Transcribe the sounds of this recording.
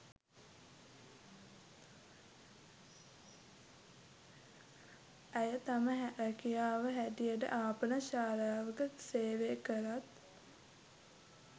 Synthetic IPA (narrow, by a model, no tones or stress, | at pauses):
æjət̪aməɦɾækijaːʋəɦæʈ̪ijəʈə̰ʔaːpənəʃaːɾaːʋəkəseːʋeːkəɾat̪